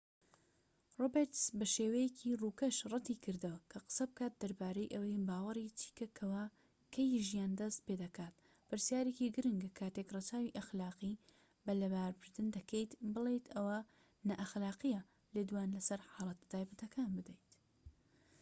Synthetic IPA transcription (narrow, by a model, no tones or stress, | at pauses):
robeɾt̪zbɐʃeːwɐjekʰiruːkɐʃrˤɑt̪ikʰɨɾd̪ɐwɐkʰɐqɨ̥sɐbɨkaːt̪̚d̪ɐɾbaːɾɐjʔɐwɐjbaːwɐɾit͡ʃʰi̥ːkɐkʰɐwaː | kʰɐjʒijaːnd̪ɐst̪̚peːd̪ɐkaːt̪̚ | pɨɾsijaːɾekiɡɨɾɨŋɡkʰaːt̪ekrˤɐt͡saːwiʔɐxlaːqi | bɐlɐbaːɾbɨɾd̪ɨnd̪ɐkʰejt̪bɨlejt̪ʰɐwa | nɐʔɐxlaːqijɐ | leːd̪waːnlɐsɐɾħaːlˠɐt̪t̪ʰaːjbɐt̪ɐkʰaːnbɨd̪ejt̪